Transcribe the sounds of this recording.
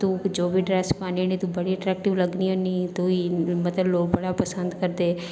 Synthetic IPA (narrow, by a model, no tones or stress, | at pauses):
t̪ũːd͡ʒoːbʱiːɖɾɛːspaːninit̪ũbəɽiəʈɾɛːk̚ʈɪʋləɡniːɦõːniːt̪uiːmət̪ləbloːk̚bəɽaːpəsə̃nd̪kəɾd̪eː